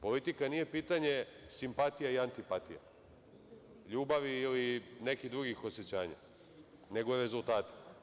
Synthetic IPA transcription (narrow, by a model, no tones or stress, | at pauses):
po̞lit̪ikanije̞piːt̪aɲe̞simpat̪ijaiant̪ipat̪ḭja̰ | ʎuːbaʋiːlinekid̪ɾuɡixo̞set͡ɕaːɲa̰ | ne̞ɡoɾezulˠt̪aːt̪i̥